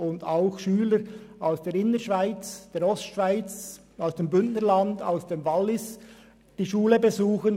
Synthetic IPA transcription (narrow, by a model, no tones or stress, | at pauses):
ʊndaʊxʃyːləɾaʊsd̥eːɾɪnəʃv̥aɪt͡sd̥eːɾɔstʃv̥aɪt͡s | aʊsd̥eːmbʏntnəɾlɑnda̰ʊsd̥eːmvɑlːɪs | d̥iːʃuːləbezuːxən